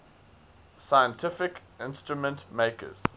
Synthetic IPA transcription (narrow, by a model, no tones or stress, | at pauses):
saɪə̃ntʰɪfɪk | ɪ̃nstɹumə̃ntmeɪkə̰z̥